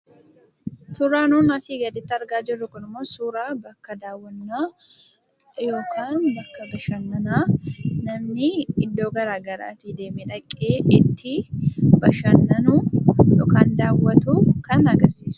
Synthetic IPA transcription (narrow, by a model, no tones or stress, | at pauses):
suːɾaːnuːnɐsiːɡɐd̪ɪt̪ːɐɾɡaːd͡ʒɪrːʊkʊnɪmːo̞ːsuːɾaːbɐkːɐd̪aːwːɐnːaː | jo̞ːkʰaːnbɐkːɐbɐʃɐnːɐnaːnɐmnɪɪd̪ːo̞ːɡɐɾaːɡɐɾa̰ːt̪id̪e̞ːmɛᶑɐkʼːeːʔɪt̪ʰːɪbɐʃɐnːɐnujɔ̰ːkaːnd̪aːwːɐt̪ukɐnɐɡɐɾsiːsʊ̥